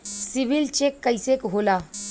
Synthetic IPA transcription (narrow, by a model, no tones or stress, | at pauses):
siʋilt͡ɕekːəjsekɦola